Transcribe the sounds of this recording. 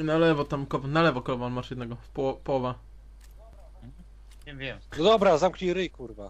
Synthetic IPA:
nalɛvɔt̪amkɔvɔnalɛvɔkɔlɔvaɔnmaʂjɛd̪nɛɡɔpɔwɔpɔwɔva | vʲjɛmɔd̪ɔbɾazamkɲiɾɘikuɾva

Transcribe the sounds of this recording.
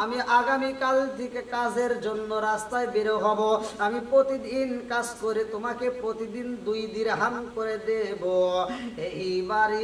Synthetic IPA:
amiʔaɡamikalt̪ʰekekad͡ʑʱeɾd͡ʑonːoɾast̪aebeɾoɦɔboamipɾot̪id̪inkad͡ʑkoɾet̪omakepɾot̪id̪ind̪ujd̪iɾɦamkoɾed̪eboeibaɾi

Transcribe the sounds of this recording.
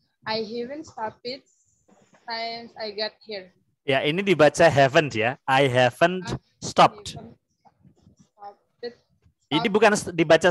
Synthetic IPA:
ajɦiʋə̃nsʈɔpɪt̚ | tãjmsajɡɔʈ̚hiɾ | jaʔinidibat͡ʃaɦɛvənsjaajɦɛvənt | stɔpʈ | inibukansdibat͡ʃa

